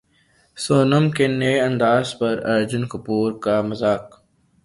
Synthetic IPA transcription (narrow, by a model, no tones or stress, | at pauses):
soːnəmkeneɐ̃nd̪aːzpɐɾɐ̰ɾd͡ʒʊnkʊpuːɾkamɐzaːk